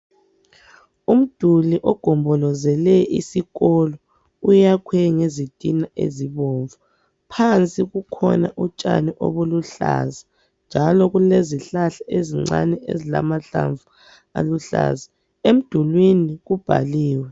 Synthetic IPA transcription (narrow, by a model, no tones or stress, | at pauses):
um̩d̥ʱuliʔɔɡ̥ʱɔmbʱɔlɔzɛlɛʔḭsiɣɔlɔ | ujakʰwɛŋezid̥ʱinaʔḛziβɔɱvu | pʰant͡sʼiɣukʰɔ̰naʔut͡ʃʼa̰niʔo̰βoluɬa̰za | nd͡ʒʱalɔɣuleziɬaɬaʔeziŋ͡ǀa̰nɛʔḛzila̰maɬa̰ɱvu | a̰luɬa̰za | em̩d̥ʱulwiniɣub̥ʱa̰liːwɛ